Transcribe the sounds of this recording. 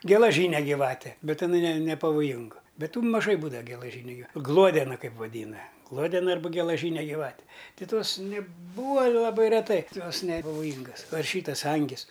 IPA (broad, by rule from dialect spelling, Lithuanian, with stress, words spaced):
ɡʲɛlˠɐˈʒʲiːnʲɛ ɡʲiːˈʋɑːtʲɛ ˈbʲɛt ɪˈnɐɪ nʲɛ nʲɛpɐʋoːˈjɪŋɡʊ ˈbʲɛt ˈtuː mɐˈʒɐɪ ˈbuːdɐʋɐ ɡʲɛlˠɐˈʒʲiːnʲʊ ɡʲɪˈʋɐ ˈɡlˠuɔdʲɛnɐ ˈkɐɪp ʋɐˈdʲiːnɐ ˈɡlˠuɔdʲɛnɐ ˈɐrbɐ ɡʲɛlˠɐˈʒʲiːnʲɛ ɡʲiːˈʋɑːtʲɛ tʲɪ ˈtoːs nʲɛˈbuːʋɐ lˠɐˈbɐɪ rʲɛˈtɐɪ ˈjoːs nʲɛpɐʋoːˈjiːŋɡɐs ˈʋɐ ɪr ˈʃʲiːtɐs ˈɐŋʲɡʲɪs